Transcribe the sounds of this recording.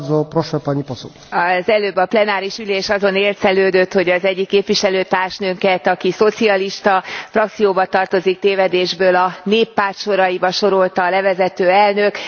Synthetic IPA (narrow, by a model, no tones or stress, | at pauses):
d̪zopɾoʃɛpaɲiposṵ | ɒzɛløːbːɒplɛnaːɾiʃyleːʃɒzo̞neːrt̪sɛløːd̪øt̪ho̞ɟɒzɛɟːikːeːpʋiʃɛløːt̪aːrʃnøŋkɛt̪ɒkiso̞t̪siɒliʃt̪ɒfrɒk̚t̪sijoːbɒt̪ɒrt̪o̞zik̚t̪eːvɛd̪eːʒbøːlɒneːpːaːrt̪ʃo̞ɾɒjibɒʃo̞ɾo̞lt̪ɒːlɛvɛzɛt̪øːɛlnøk